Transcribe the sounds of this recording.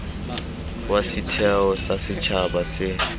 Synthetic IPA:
wasɪtʰɛɔsasɪt͡ʃʰaɓasɪ

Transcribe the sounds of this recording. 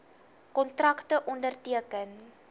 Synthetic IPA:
kɔntrɐktəʔɔndərtiəkən

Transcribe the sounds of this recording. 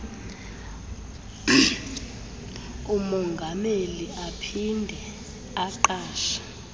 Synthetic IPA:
umɔŋɡʱameliʔapʰindʱɛ | aǃaːʃḁ

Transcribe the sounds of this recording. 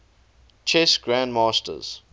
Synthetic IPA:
t͡ʃʰɛsɡ̥ɹãndmaːstə̰z̥

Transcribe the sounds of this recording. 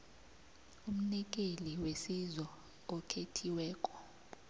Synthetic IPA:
um̩nik̬ʼeliwesizɔ | ɔkʰetʰiwɛːkʼɔ̥

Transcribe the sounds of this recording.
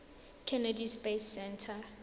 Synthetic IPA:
kʰɛnadispesːɛntʰa

